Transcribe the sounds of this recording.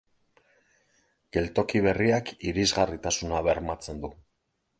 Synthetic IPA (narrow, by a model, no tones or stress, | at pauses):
ɡ̥e̞lt̪o̞kiβ̞e̞riakiɾizɣarit̪asunaβe̞ɾmat͡se̞nd̪u